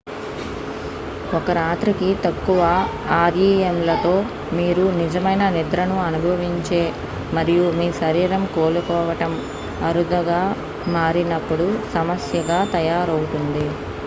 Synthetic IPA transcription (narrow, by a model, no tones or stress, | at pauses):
ɔkɐɾaːt̪ɾikit̪ɐkːuʋɐ | aːɾiːemlɐt̪o̞ː | miːɾunid͡ʒɐmɐjnɐnid̪ɾɐnuɐnubʱɐʋiɲt͡ʃe̞ː | mɐɾijumiːsɐɾiːɾɐmkoːlukɔːʋɐʈɐm | ɐɾud̪ɐɡaː | maːɾinɐpːuɽusɐmɐsjɐɡaːt̪ɐjaːɾɐwut̪und̪i